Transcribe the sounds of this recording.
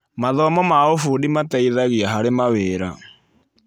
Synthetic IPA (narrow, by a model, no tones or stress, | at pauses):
maðɔmɔmaofudimataiðaɣiaɦaɾemaweɾa